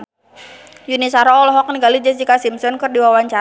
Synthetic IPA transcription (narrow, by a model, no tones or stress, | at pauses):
junisaɾɔɔlɔɦɔk̚niɡalid͡ʒɛsdikasimsɔnkɨrdiwawaɲt͡ʃa